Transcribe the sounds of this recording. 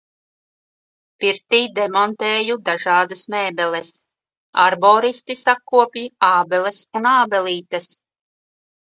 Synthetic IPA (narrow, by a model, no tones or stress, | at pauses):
piɾt̪iːd̪ɛmɔnt̪eːjud̪aʒɑːd̪ɐsmɛːbɛlɛs | aɾbɔːɾist̪isakːuɔpiaːbɛlɛsunaːbɛlˠiːt̪ɐs